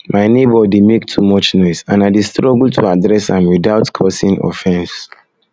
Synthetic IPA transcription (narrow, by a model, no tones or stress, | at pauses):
maɪnebɔdemektʰumɔt͡ʃnɔɪsãnaɪdistɹɔɡəltʰuadɹɛsãmwidaʊtkʰɔsĩŋɔ̰fɛ̃ns